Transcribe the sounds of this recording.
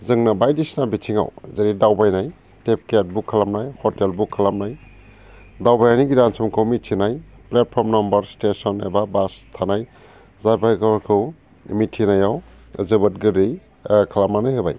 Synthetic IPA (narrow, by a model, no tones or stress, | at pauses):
zɯŋnabajdisnabitʰiŋa̰wzeɾidawbajnaj | tep̚ket̚bukʰːalamnajhɔtelbukʰːalamnaj | dawbajaniɡidansʰɔmkʰɯwmitʰinajplet̚pʰɔɾmnɔmbaɾstesɔnḛbabastʰanaj | zabʰajkɔkʰɯw | mitʰinajaw | zɯbɯt̚ɡɯɾij | kʰalamnanɯjɦɯba̰j